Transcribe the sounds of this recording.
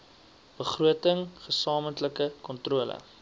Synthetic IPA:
b̥əχruətəŋχəsɑːməntləkəkɔntruələ̰

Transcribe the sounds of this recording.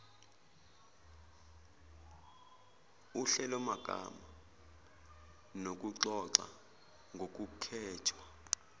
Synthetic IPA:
uɬɛlɔmaɡ̥ʱa̰ma | nok̬ʼuǁɔǁa̰ | ŋɡʱok̬ʼukʰɛːtʰwa

